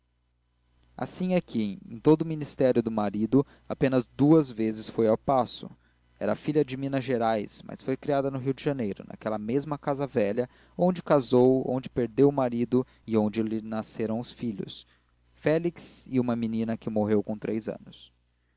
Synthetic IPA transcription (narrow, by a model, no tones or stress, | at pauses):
a̰sĩakʰɪḛ̃t̪od̪ʊminist̪ɛɾjʊd̪ʊmaɾid̪ʊ | apẽnɐzd̪uɐzvezɪsfojawpasʊ̰ | ɛ̰ɾɐafiʎɐd͡ʒɪmĩnɐʒeɾajsmɐ̰sfojkɾiad̪ɐnʊɦiwd͡ʒɪʒɐnejɾʊ̰nʔa̰kɛlɐmezmɐkazɐvɛʎɐ | õd͡ʒɪkazowõ̰d͡ʒɪpeɾd̪ewʊmaɾid̪ʊ | ɪõnd͡ʒɪlɪnaseɾɐ̃w̃ʊsfiʎʊ̰s | fɛliksɪũmɐminĩnɐkɪmoɦewkõt̪ɾejzɐ̰̃nʊs